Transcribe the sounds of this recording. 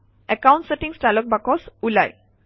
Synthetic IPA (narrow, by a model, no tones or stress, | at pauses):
ɛkaw̃ɳʈseʈiŋsʈalɔk̚bakɔsulaj